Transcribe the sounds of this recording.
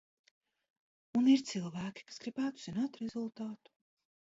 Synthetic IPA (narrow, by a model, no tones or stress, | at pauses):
uniɾt̪silˠvæːkʲi̥kḁsɡ̥ɾibæːt̪u̥zinaːt̪ɾezulˠt̪aːt̪u̥